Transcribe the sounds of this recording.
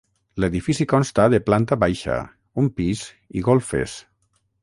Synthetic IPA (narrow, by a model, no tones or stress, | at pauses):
leðifisikɔnst̪aðeplant̪aβajʃa̰ | umpiz | iɣolfḛs